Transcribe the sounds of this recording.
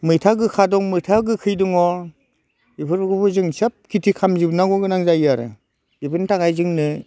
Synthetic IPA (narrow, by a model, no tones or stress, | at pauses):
mɯjtʰaɡɯkʰadɔŋmɯjtʰaɡɯkʰɯjduŋɔ | ipʰɯɾbɯɡɯbɯzɯŋsap̚kʰitʰikʰamzibnaɡɔɡɯnaŋzajaɾɯ̰ | ibʰɯntʰaɡajzɯŋnɯ